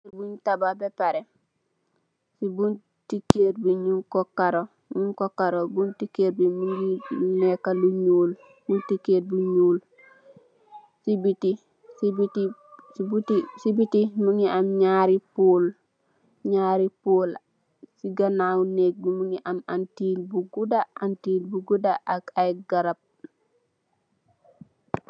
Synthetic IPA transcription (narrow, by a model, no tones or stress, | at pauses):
ibuɲtababepaɾe | sibun | tikeːɾbiɲuŋkokaɾo | ɲuŋkokaɾobuntikeːɾbimuŋɡilunekaluɲuːl | buntikeːɾ̚buɲuːl | sibiti | sibitibutisibitimuŋiamɲaɾipuːl | ɲaːɾipuːl | siɡanawnek̚bimuŋiʔamantiːlbuɡudaantiːlbuɡudaʔakajɡaɾab̚